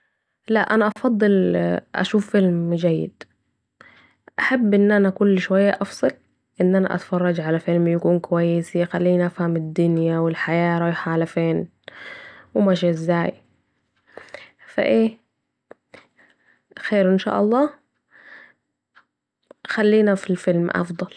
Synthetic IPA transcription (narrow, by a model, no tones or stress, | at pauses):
laʔanaʔɑfɑd̪ˤːɨlʔa̰ʃuːfːɪlmd͡ʒajːɪ̰d̪ | ʔaħabːʔɪnːʔanakʊlːʃʊwajːaʔɑfsˤɨl | ʔɪnːʔana̰ʔa̰t̪fɑrˤːɑd͡ʒʕalafɪlmjakuːnkwajːɪsixalːiːniʔafhamɪd̪ːʊnjawɪlħajaːɾˤɑjħaːlafeːn | wɪmaʃiɪzːaːj | fa̰ʔeː | xeːɾʔɪnʃa̰ːʔɑlˤːɑː | xalːiːnafilfɪlmʔɑ̰fd̪ˤɑl